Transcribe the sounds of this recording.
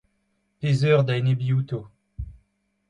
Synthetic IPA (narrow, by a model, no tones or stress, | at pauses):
pezœːʁd̪aenebiut̪o